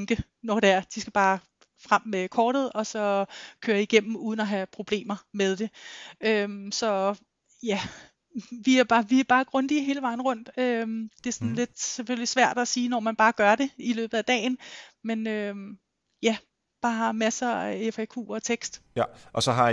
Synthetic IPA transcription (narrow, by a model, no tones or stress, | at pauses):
ŋɡ̥ə | nɒd̥eæɐd̥isɡ̥æb̥ɑ̈ː | fʁam̰ːekʰɒːɾ̥ð̞̩ˠɒ̽sɒ̽kʰøːɐiɡ̥em̰m̩uːðˠn̩ɒɦæpʰʁo̝b̥le̝̰ːmɐmeð̞ˠd̥e̝ømsɒ̽ | jæ | ʋiæɐb̥ɑ̈ːʋiæɐb̥ɑ̈ːɡ̥ʁɔ̽nd̥iɦe̝ːləʋɑ̈ɪ̰nʁɔ̽n̰d̥ød̥e̝æɐsɒ̽n̩le̝d̥seføllisʋæɐ̰d̥æsiːnɒmænb̥ɑ̈ːɡ̥ɶɐɾ̥e̝ilø̰ːb̥ð̩ˠæd̥ɛ̰ːɪn̩menøm | jæ | b̥ɑ̈ːhɑ̈mæsəefekʰṵːɒ̽t͡sʰeɡ̥sd̥ʔɒ̽sɒɦɑ